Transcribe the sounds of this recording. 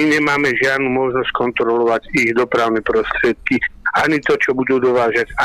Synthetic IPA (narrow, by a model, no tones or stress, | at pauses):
iɲɛmaːmɛʒɪad̪nuːmɔʒnɔsckɔnt̪ɾɔlɔʋaɟiɣd̪ɔpɾaʊnɛːpɾɔst̪ɾɪɛt̪̚kiaɲit̪ɔt͡ʃɔbud̪uːd̪ɔʋaːʒaɟa